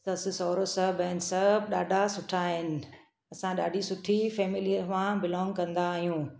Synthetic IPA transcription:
t̪ɐsɪsɔːɾosɐbəɦɪnɪ̆sɐbɗaːɖʱasʊʈʰaːɦɪnɪ̆ | ɐsãɗaːɖʱisʊʈʰifɛːmɪlijəɾmãbɪlɔ̃ːŋɡkɐ̃nd̪aːɦijũː

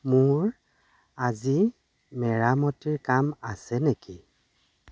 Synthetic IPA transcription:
mʊɹ | azi | mɛɹamɔtiɹkamasɛneki

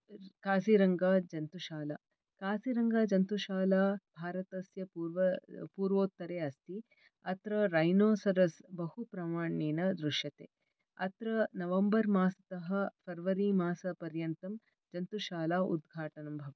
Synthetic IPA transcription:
kaːsiɾɐŋɡaːd͡ʒɐnt̪uʃaːla̰ː | kaːsiɾɐŋɡaːd͡ʒɐnt̪uʃaːlaːbʱaːɾɐt̪ɐsjɐpuːɾʋɐpuːɾʋoːt̪ːɐɾeːɐst̪ʰi | ɐt̪ɾɐɾɐjnoːsɐɾɐsbɐhupɾɐmaːɳiːnɐd̪ɾuʂjɐt̪ḛː | ɐt̪ɾɐnɐʋɐmbɐɾmaːsɐt̪ɐɦɐpʰɐɾʋɐɾimaːsɐpɐɾjɐnt̪ɐm | d͡ʒɐnt̪uʃaːlaːṵd̪̚ɡʱaːʈɐnɐmbʱɐʋɐ

